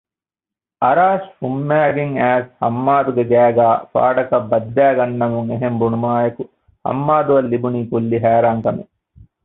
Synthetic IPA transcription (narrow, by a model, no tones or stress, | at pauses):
ɐɾaːʃfumːæːɡeŋæːshɐ̰mːaːd̪uɡeɡæːɡaːfa̰ːɖɐkɐbːɐd̪ːæːɡɐnːɐmuŋeɦembunumaːjɐku | hɐ̰mːaːd̪uʋɐlːibuniːkulːiɦæːɾaːŋkɐmḛ